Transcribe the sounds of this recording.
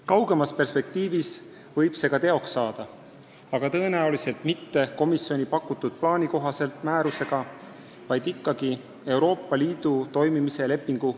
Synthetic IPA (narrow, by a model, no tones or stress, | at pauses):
kɑwɡ̥e̞mɑspe̞rspe̞k̚t̪iːvis | vɤjb̥se̞ɡɑt̪e̞o̞ksːɑːd̪̥ɑ | ɑɡ̥ɑt̪ɤ̞e̞næulise̞lt̪ˑmit̪ːe̞ko̞misːjo̞nʲipɑkːˑut̪ːˑud̪̥̚plɑːnʲiko̞ɦɑse̞lt̪ˑmæːɾuse̞ɡ̥ɑ | vɑjd̪̥ikːˑɑɡ̥i | e̞wɾo̞ːpːˑɑliːd̪̥ut̪o̞jmimise̞le̞pːiŋɡ̥u